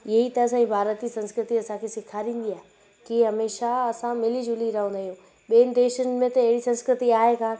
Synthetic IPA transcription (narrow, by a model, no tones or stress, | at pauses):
jɐɦit̪ɐəsɛ̃ĩbʱaːɾət̪isɐ̃nskɾɪt̪iɐsãkʰesɪkʰaːɾĩːn̆d̪iaːɦe | kiɦɐmeːʃaɐsãmɪlid͡ʑʊliɾɐɦə̃nd̪aːɦijũː | ɓiːənɪ̆d̪eːʃənɪ̆mẽt̪ɐɪɦɪɽisɐ̃nskɾɪt̪iaːɦekãː